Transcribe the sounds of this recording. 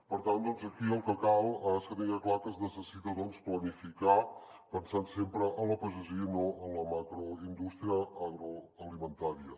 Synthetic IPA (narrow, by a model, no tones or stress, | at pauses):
pəɾt̪and̪ɔnzəkiəlˠkəkalˠeskəðiŋeklakəznəsəsit̪əðɔnsplənifika | pənsansempɾəʔənləpəʒəziənoənləmakɾoind̪ust̪ɾiəaɣɾoəlimənt̪aɾiə